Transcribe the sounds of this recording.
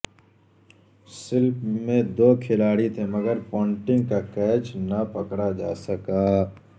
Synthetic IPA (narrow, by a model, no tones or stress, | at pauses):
sɪlpmẽd̪oːkʰɪlaːɽit̪ʰeməɡəɾpɔ̃ːɳʈɪ̃ŋɡkakɛːt͡ʃnɐpɐkɽad͡ʒa̰ːsəkaː